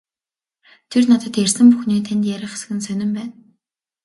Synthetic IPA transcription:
t̪ʰernat̪ə̆t̪jærsɘ̆mpuxniːt̪ʰent̪jæɾʲɪ̆χe̥sɘ̥̆ɣɘ̆nsœnʲɪ̆mpæːn

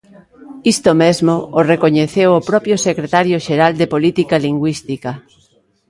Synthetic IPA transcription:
ist̪omezmoorekoɲeθewopɾɔpɾjosekɾet̪aɾjoʃeɾald̪epolit̪ikaliŋɡwist̪ika

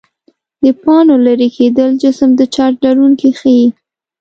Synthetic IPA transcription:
d̪əpɑnolaɾekʰed̪əld͡ʒɪsəmd̪ət͡ʃɑɾɖaɾuŋkixəji

